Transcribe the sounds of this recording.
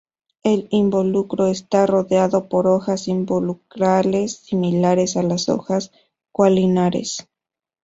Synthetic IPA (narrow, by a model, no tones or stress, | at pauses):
elimbo̞lukɾo̞est̪aro̞ðeaðo̞po̞ɾoxasimbolukɾalesːimilaɾe̞salaso̞̰xas | kwalinaɾḛs